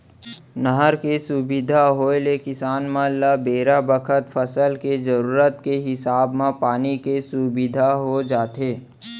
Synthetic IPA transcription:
nəɦəɾkesubɪd̪ʱaɦoelekɪsaːnmãlabeːɾabəkʰət̪fʰəsəlkezəɾuːɾət̪keɦɪsaːbmẽpaːnikesubɪd̪ʱaɦod͡ʒaːt̪eː

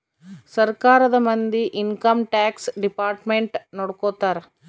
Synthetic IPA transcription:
sɐɾkaːɾɐðɐmɐnd̪iʔɪnkɐmʈaːksɖɪpaːɾʈmeɳʈnɔɽɐkːoːt̪ːaːɾ

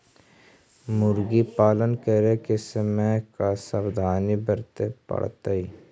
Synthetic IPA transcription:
mʊɾɡipaːlənkəɾekesəmɛ̃kasəbd̪ʱaːnibəɾt̪epə̰ɽt̪aiː

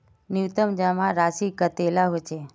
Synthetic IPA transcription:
nuwt̪əmd͡ʒamãɾaʃikət̪elaɦot͡ʃʰe

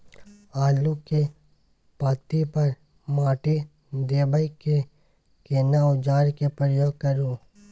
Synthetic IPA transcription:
aːluke | paːt̪ipɐɾ | maːʈi | d̪eːbəike | keːnaʊd͡ʒaːɾkepɾəjoːɡ̚kəɾũ

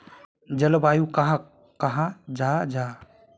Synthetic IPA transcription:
d͡ʒəlbajukaɦã | kəɦãd͡ʒad͡ʒa

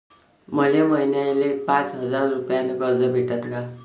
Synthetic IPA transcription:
mʌlemʌjnalepãt͡sɦʌd͡zarːupijanʌɡʌrd͡zʌbʱiʈat̪ʰka

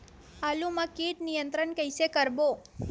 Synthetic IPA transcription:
alũmãkiʈnijənt̪ɾəɳkəjsekəɾbo

